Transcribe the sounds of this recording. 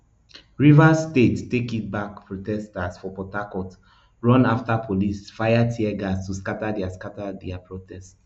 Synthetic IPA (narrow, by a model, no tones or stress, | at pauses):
ɹivastettekit̚bak̚pɹotɛstasfɔpɔtakɔt | ɹɔ̃naftapʰolisfajatʰiɛɡastuskatadɛaskatadɛapʰɹotʰɛst